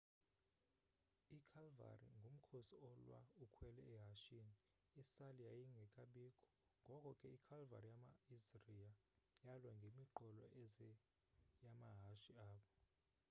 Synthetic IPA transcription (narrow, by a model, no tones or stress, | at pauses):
ikʰalva̰rḭŋɡʱom̩kʰosiɔlwa̰ukʰwɛlɛɛɦaʃini | isalijajiŋɡʱɛkʼaɓiːkʰʼɔ̥ | ŋɡʱɔkʼɔkʼɛikʰalva̰rijamaisriajalwɛŋɡʱemiǃɔlɔ̰ʔɛɛ | jamaɦaʃiaːɓɔ